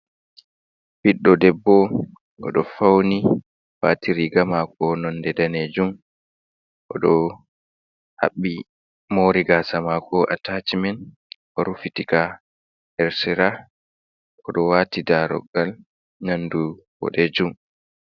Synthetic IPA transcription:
biɗːɔdɛbːɔ | ɡɔ̰ɗɔfawni | watiɾiɡamakɔnɔndɛdaned͡ʒum | ʔɔɗɔ | ha̰ɓːi | moːɾiɡaːsamakɔʔatat͡ʃimɛn | ʔɔɾufitika | hɛɾsɛɾa | ʔɔɗɔwatidaɾɔ̰ɡal | nandu | wɔ̰ɗɛd͡ʒum

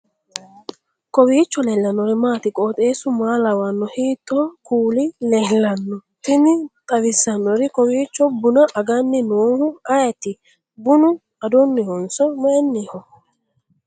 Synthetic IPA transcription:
kɔwiːt͡ʃːɔleːlːɐnːɔɾɛmaːt̪ɪkʼoːt̪ʼe̞ːsʊmaːlɐwɐnːɔhiːt̪ːɔkuːlɪlɛlːɐnːɔt̪ɪnɪt̪ʼɐwɪsːɐnːɔɾɪkɔwiːt͡ʃːɔbʊnɐʔɐɡɐnːɪnoːhʊɐjɐt̪ɪ | bʊnʊ | ɐd̪ɔnːɪhɔnsɔmɐʔɛnːiːhɔ

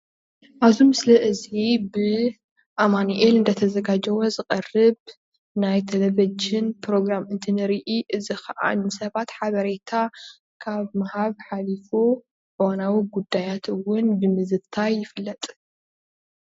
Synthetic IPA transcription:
ʔaβzumɨslɐʔɨzibɨ | ʔamaniʔelɨnd̪ɐt̪ʰɐzɐɡad͡ʒɐwozɨqʼɐrɨβ | najt̪ʰɐlɐβɐd͡ʒɪnpɾo̞ɡɾamɨnt̪ʰɨnɨɾiʔiʔɨzixɐʔa̰nɨsɐβat̪ħaβɐɾet̪ʰa | kʰaβmahaβħalifo | ʕɨwanawiɡud̪ːajat̪ʰɨwʊnbɨmɨzɨt̪ʰajːɪfɨlːɐt̪ʼ

